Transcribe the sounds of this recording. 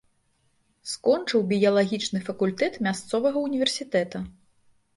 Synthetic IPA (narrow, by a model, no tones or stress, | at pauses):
skɔnt͡ʂɨwbʲijɐlˠaɣʲit͡ʂnɨfɐkulʲt̪ɛt̪mʲast̪sɔvɐɣɐunʲivʲɛrsʲit̪ɛt̪ɐ